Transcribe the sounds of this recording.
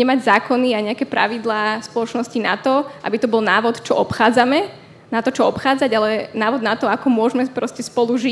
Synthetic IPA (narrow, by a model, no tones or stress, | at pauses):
ɲɛmaɟzaːkɔniaɲɛakɛpɾa̰ʋid̪laːspɔlɔt͡ʃnɔscina̰t̪ɔʔa̰bit̪ɔbɔlˠnaːʋɔt̪t͡ʃɔʔɔpxaːd͡zamɛ | nat̪ɔt͡ʃɔɔpxaːd͡zaɟalɛnaːʋɔd̪nat̪ɔakɔmʊɔʒmɛpɾɔscɛspɔluʒi